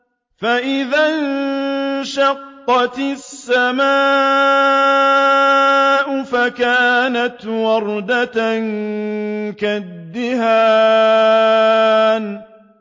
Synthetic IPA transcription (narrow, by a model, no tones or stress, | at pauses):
faʔɪðan | ʃɑqːɑt̪sːamaː | ʔʊfakaːnat̪wɑɾˤd̪at̪n | kad̪ːɪhaː | n